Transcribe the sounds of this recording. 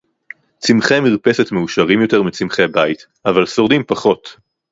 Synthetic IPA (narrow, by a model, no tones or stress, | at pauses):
t͡simχemiʁpe̞se̞tmeuʃaʁimjo̞te̞ʁmit͡simχebait̪ | avalsoʁdimpaχo̞t